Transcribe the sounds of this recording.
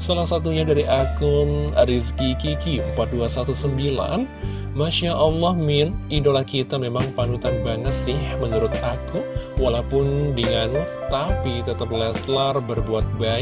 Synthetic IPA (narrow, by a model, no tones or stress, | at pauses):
salahsat̪̬uɲadaɾiʔakəmɾiskikikim̩pat̪̚duasat̪usəmbila̰n | maʃaʔɑlːɑhmɪnidolahkit̪amemaŋpanut̪anbaŋət̪̚sɪhməɲuɾʊt̪̚akuwalawpʊndəŋan | t̪apit̪ət̪əp̚lɛslarbərbuat̪̚ba